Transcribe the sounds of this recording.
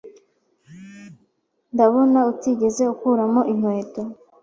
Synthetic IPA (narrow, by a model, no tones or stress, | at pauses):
ndaβo̞nautiɟe̞ze̞ukuɾamo̞ʔim̥we̞ːto̞